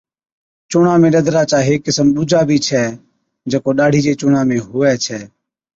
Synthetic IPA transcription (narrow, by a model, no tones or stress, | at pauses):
t͡ʃʊːɳãːmẽːɗəd̪ʱɾaːt͡ʃaːɦeːkːɪsəmɓʊd͡ʒʱaːbʱiːt͡ʃʰɛː | d͡ʒəːkoːɗaːɽ̤ʱiːd͡ʒeːt͡ʃʊːɳãːmẽːɦʊʋɛːt͡ʃʰɛː